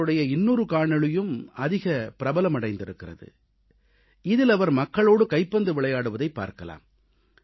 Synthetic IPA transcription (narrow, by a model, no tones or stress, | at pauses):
ɯɽɐjɐɪnːuːɾɯkaːɳɐɭɯjɯmɐðɪɣɐpɪɾɐbɐlɐmɐɽɐɪnd̪ɪɾɯkːɪɾɐ̰ðɯ̰ | ɪðɪlɐʋɐɾmɐkːɐɭoːɽɯkɐɪpːɐnd̪ɯʋɪɭɐjaːɽɯʋɐðɐɪpːa̰ːɾkɐla̰ːm